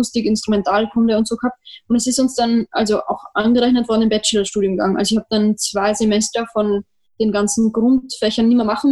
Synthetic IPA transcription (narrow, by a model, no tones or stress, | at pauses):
ʊstɪkɪnstʁ̥ʊmɛntʰaːlkʰʊndəʊntz̥oːɡəhap̚t̚ʊntd̥ɛsɪstʊnsd̥anʔa̰lzoʔa̰ʊxʔanɡəʁɛçnətv̥ɔɐdnɪmbɛt͡ʃɛlɐʃtuːdjʊmɡaŋʔa̰lzoɪçhaːb̚əd̥ant͡sv̥aɪzemɛstɐfɔn | d̥eːnɡant͡sn̩ɡʁʊntfɛçɐnːiːmɐmaχn̩